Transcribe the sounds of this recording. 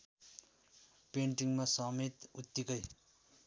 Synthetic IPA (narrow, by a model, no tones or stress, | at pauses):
peɳʈiŋmasʌmet̪ut̪ːikʌj